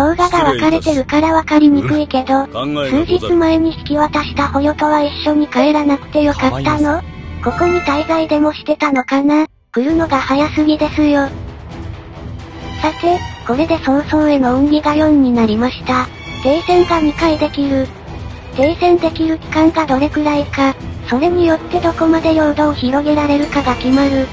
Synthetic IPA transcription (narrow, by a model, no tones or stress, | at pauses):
soɯɡaɡaβatkaɾe̞t̪e̞ɾɯ̟kaɾaβakaɾʲimikɯ̟ike̞d̪o̞sɨːʑit͡sɨmaeɲ̟içi̥kʲiβat̪aɕi̥t̪aho̞jo̞t̪o̞βaiɕːo̞ɲ̟ikaeɾanakɯ̟̥t̪e̞jo̞kat̪ːano̞ko̞ko̞ɲ̟it̪aizaid̪e̞mo̞ɕi̥t̪e̞t̪ano̞kana | kojɯ̟no̞ɡahajasɨɡʲid̪e̞sɨjo̞ | sat̪e̞ko̞ɾe̞d̪e̞sõ̞ːsoːe̞no̞ɯ̟̃ŋɡʲiɡajo̞̟ɲ̟ːinaɾʲimaɕi̥t̪a | t̪e̞ːsẽ̞ŋɡamʲikaid̪e̞kʲiɾɯ̟ | t̪e̞ːsẽ̞nt̪e̞kʲiɾɯ̟kʲi̥kãŋɡad̪o̞ɾe̞ɡɯ̟ɾaikaso̞ɾe̞ɲ̟ijo̞t̪ːe̞d̪o̞ko̞mad̪e̞joːd̪o̞ːçiɾo̞ɡe̞ɾaɾe̞ɾɯ̟kaɡakʲimaɾɯ̟